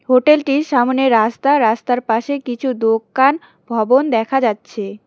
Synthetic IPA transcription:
ɦoʈelʈiʃamneɾast̪aɾast̪aɾpaʃekit͡ɕʰud̪okːan | bʱɔbond̪ɛkʰad͡ʑatːɕʰe

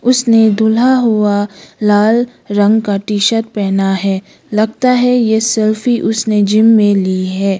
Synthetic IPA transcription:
ʊsned̪ʱʊlaɦʊalaːl | ɾɐ̃ŋɡkaʈiːʃət̪̚pɛːnaɦɛː | lɐɡt̪aɦɛjesɛlfiʔʊsned͡ʒɪmːẽliːɦɛː

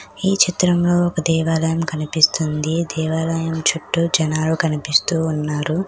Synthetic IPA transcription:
iːt͡ʃit̪ɾɐmlo̞ːɔkɐd̪ɛːʋaːlɐjɐmkɐnipist̪und̪id̪ɛːʋaːlɐjɐmt͡ʃuʈːud͡ʒɐnaːlukɐnipist̪uːnːaːɾu

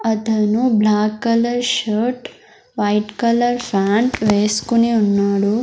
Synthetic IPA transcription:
ɐt̪ɐnublaːkːɐlɐɾʃɐːɾʈ | ʋɐjʈkɐlɐɾpʰaːɳʈʋeːsu̥kuniunːaːɽu

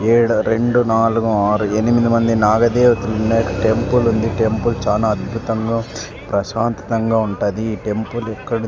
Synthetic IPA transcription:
eːɽuɾeɳɖunaːluɡũaːɾuenimid̪imɐnd̪inaːɡɐd̪ɛːʋɐt̪inunːɐːkɐʈempulund̪iʈempult͡ʃaːnaːɐd̪̚bʱut̪ɐŋɡaː | pɾɐʃaːnt̪ɐ̥t̪ɐŋɡaːuɳʈaːd̪iːʈempulɛkːɐɽɐ

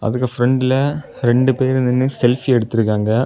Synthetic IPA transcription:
ɐ̰ðɯkːɯfɾɛɳɖɪlɐ | ɾɛɳɖɯpeːɾnɪnːɯsɛlfiɛɽɯt̪ːɯɾɯk̬ːaːŋɡɐ

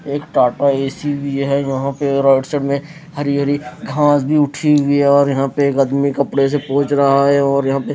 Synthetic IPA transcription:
eːkʈaːʈaeːsibʱijɦɛjɐɦãpeɾɔːɪʈseɖmẽ | hɐɾiɦəɾiɡʱãːsbʱiʊʈʰiɦʊiɦɛɔːɾjɐɦãpeːkɐd̪mikɐpɽes̬epɔ̃ːt͡ʃɾɐɦaɦɛɔːɾjɐɦãpe

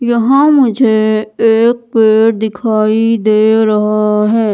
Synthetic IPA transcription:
jɐɦãmʊd͡ʒʱeː | k̚peːɾd̪ɪkʰaːid̪eːɾɐɦaɦɛː

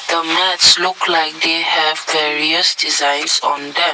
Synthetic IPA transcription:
d̪̥əmɛtslʊklaɪk̚d̪ehɛvvɛɹiəsdizãɪ̃nsɔ̃ndɛ̃

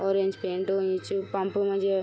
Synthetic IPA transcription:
oːɾeɲd͡ʒpeːɳʈuɲit͡ʃːupɐmpumɐd͡ʒje

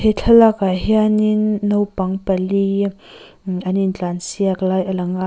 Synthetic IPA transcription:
het͡ɬʰɐlakaɦianinːowpɐŋpɐli | anint͡ɬansiaklajalɐŋa

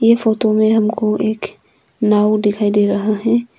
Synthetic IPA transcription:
jefoːt̪omẽɦəmkoeːk | naːud̪ɪkʰaːid̪eɾɐɦaɦɛ̃

